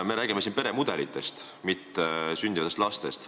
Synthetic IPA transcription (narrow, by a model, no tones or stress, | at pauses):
me̞ɾæːɡ̥imesinpe̞ɾe̞mud̪̥e̞lit̪ːˑest̪ | mit̪ːesynd̪ivɑt̪est̪lɑst̪e̞st̪